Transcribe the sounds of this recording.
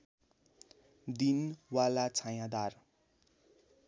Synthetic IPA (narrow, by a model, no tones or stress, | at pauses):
d̪inwalat͡sʰajãd̪ar